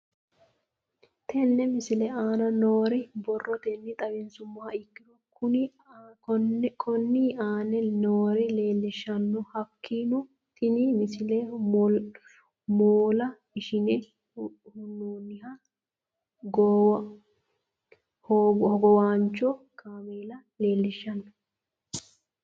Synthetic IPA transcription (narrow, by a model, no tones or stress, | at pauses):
t̪ʰɛnːɛmɪsɪlɛaːnɐnoːɾɪbɔrːɔt̪ɛnːɪt̪ʼɐβɪnsʊmːɐhɐɪkːɪɾɔkʊnɪ | kɔnkʰɔnːiːaːnɛnoːɾɪle̞ːlːɪʃɐnːɔhɐkːiːnʊ | t̪ɪnimɪsɪleː | moːlɐ | ɪʃɪnɛ | hʊnːoːnːɪha | ɡɔw | hɔhɔɡɔwaːnt͡ʃːo | kʰaːmeːlɐ | le̞ːlːɪʃːɐnːɔ̥